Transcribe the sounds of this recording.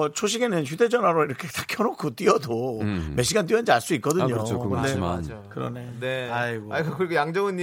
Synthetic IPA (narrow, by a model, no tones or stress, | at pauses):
ʌt͡ɕʰoɕ̬ʰiɡe̞nɯnçude̞d͡ʑʌnwaɾoiɾʌkʰe̞t͈akʰjʌɾokʰot͈wiʌdome̞ɕ̬͈ʰiɡant͈ɥiʌnd͡ʑiaɭs͈uik͈ʌdɯɲookɯndea | kɯɾʌ̰neneaiakkɯɾiɡojaŋd͡ʑʌŋɯnɲi